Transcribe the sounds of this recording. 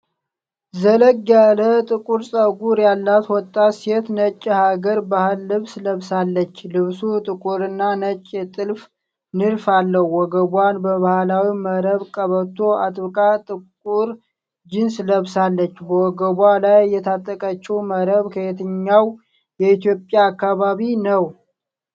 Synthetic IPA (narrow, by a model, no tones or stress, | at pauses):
zələɡjalət̪ʼɨkʼuɾsʼəɡuɾjalːat̪wɔt̪ʼːaset̪nət͡ʃʼːhaɡəɾbahɨlːɨβsləβsalːət͡ʃːlɨβsut̪ʼɨkʼuɾɨnːanət͡ʃʼːɛt̪ʼɨlf | nɨɾfalːəhwɔɡəβwanbəβahlawiməɾəβkʼəβət̪ʰoʔat̪ʼβɨkʼat̪ʼɨkʼuɾ | d͡ʒɪnsləβsalːət͡ʃːbəwɔɡəβʷalajːɛt̪ʰat̪ʼːəkʼət͡ʃːɛwməɾəβkʰəet̪ʰɨɲːaw | jɛit̪jo̞pʼjaːkːaβaβinəw